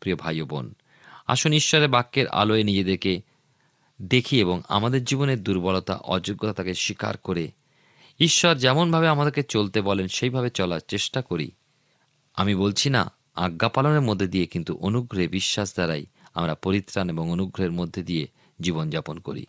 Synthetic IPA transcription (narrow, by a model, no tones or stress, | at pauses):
pɾiobʱajobo̰n | a̰ʃoniʃːɔɾebakːeɾʔa̰loenid͡ʑed̪eɾke | d̪ekʰieboŋa̰mad̪eɾd͡ʑiboneɾd̪uɾbɔlot̪a̰ʔɔd͡ʑoɡːot̪at̪akeʃika̰ɾkoɾe | iʃːɔɾd͡ʑɛmonbʱabeamad̪eɾket͡ɕolt̪ebɔlenʃejbʱabet͡ɕɔlaɾt͡ɕeʃʈakoɾḭ | amibolt͡ɕʰina̰ | a̰ɡːapaloneɾmod̪ʱːed̪iekint̪uʔonuɡɾoɦebiʃːaʃd̪aɾaja̰mɾapoɾit̪ːɾaneboŋonuɡɾoɦeɾmod̪ʱːed̪ije | d͡ʑibond͡ʑaponko̰ɾḭ